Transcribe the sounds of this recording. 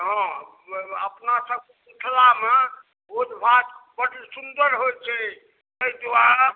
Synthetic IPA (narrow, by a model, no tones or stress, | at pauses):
ɦɔ̃ | əpnasəb̚keuʈʰlame | od͡ʒbat̪bəʈsund̪əɾɦojt͡ʃʰɛ | t̪əid̪ua